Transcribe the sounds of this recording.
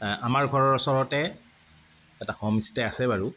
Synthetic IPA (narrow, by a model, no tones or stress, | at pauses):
amaɹɡʱɔɹɔɹɔsɔɹɔtɛ | ɛtaxɔmistɛasɛbaɹu